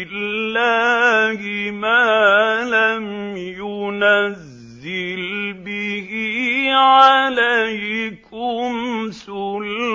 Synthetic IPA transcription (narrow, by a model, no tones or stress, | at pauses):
ɪllːahɪmaːlamjʊnazː | ɪlbɪhɪʕalajɪkʊmsʊl